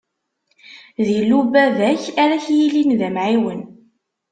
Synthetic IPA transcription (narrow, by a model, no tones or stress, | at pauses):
ðilːubæðæçæɾæçjilinðæmʕiwən